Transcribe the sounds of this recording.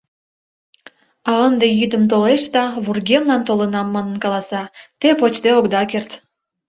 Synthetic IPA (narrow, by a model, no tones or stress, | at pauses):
ɑənd̪ejyd̪əmt̪oleʃd̪ɑβurɡemlɑnt̪olənɑmːɑnənkɑlɑsɑt̪epot͡ɕt̪eokd̪ɑkert̪